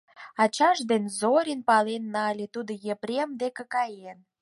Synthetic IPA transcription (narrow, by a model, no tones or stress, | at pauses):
ɑt͡ɕɑʃd̪enzoɾʲinpɑlenːɑlʲet̪ud̪əjepɾʲemd̪ekĕkɑjen